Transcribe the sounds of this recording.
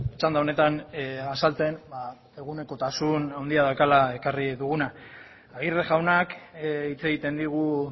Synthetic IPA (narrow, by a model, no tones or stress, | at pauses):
t͡ʃand̪aone̞t̪anasalt͡se̞nba | e̞ɣune̞ko̞t̪asunawnd̪iaðaekalae̞kariðuɣunaː | ɣiɾðeʝawnakit͡se̞ɣit̪e̞nd̪iɣ̞u